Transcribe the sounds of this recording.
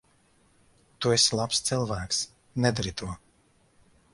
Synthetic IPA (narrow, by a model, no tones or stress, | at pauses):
t̪uɛslˠapst̪sɨlˠvæːks | nɛd̪aɾit̪ʰuɔ